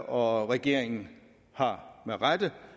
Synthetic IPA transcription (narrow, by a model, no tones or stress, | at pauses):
ɒ̽ʁɛɡ̥e̝ɐ̰e̝ŋn̩ | hɑ̈meʁad̥ə